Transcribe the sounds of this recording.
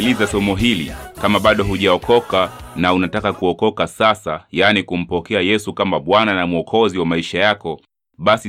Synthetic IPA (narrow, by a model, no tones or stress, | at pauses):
lizasɔmɔɦilḭkamaɓaɗɔɦuʄaɔkʰɔkanaunatakakuɔkɔkasasajanikum̩pɔkɛajɛsukamaɓwananamuɔkʰɔziwamaiʃajakɔ | ɓasi